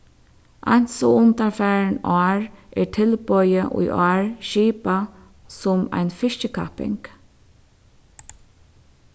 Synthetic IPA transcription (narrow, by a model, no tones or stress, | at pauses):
ʔa̰jn̥sɔʊnt̪aɹfæːɹnɔːɹʔɛːɹtʰɪlpɔjəʔʊ̰jʔɑːɹʃiːpa | sʊma̰jnfɪʃcəkʰa̰pɪ̰ŋk